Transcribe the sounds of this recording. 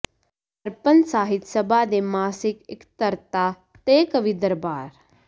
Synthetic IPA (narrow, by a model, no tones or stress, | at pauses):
ɐɾpənsaːɦɪt̪sɐbʱaːd̪emaːsɪkɪkt̪əɾt̪aː | t̪eːkəʋid̪əɾbaːɾ